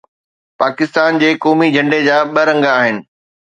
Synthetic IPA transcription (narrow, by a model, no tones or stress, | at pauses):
paːkɪst̪aːnd͡ʑeːkɔːmid͡ʑʱɐ̃ɳɖed͡ʑaːɓɐɾɐ̃ŋɡaːɦɪnɪ̆